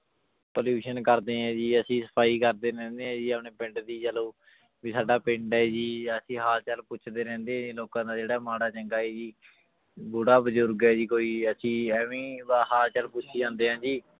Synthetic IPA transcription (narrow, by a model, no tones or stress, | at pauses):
poːljuːʃənkəɾd̪eːɛ̃ːd͡ʒiːəsĩːsə̥pʰaːiːkəɾd̪eːɾɛ̃ːnd̪eːɦɛ̃ːd͡ʒiːəpɳeːpɪ̃ɳɖd̪iːd͡ʒəloː | ʋiːsaːɖaːpɪ̃ɳɖɛːd͡ʒiːəsĩːɦaːlt͡ʃəlpʊt͡ʃʰd̪eːɾɛ̃ːnd̪eːɛ̃ːd͡ʒiːloːkãːd̪aːd͡ʒeːɽaːmaːɽaːt͡ʃəŋɡaːɛːd͡ʒiː | bʊɽaːbəzʊɾɡɛːd͡ʒiːkoːiːəsĩːɛːʋĩːbaːɦaːlt͡ʃəlpʊt͡ʃʰiːd͡ʒãːnd̪eːɦãːd͡ʒiː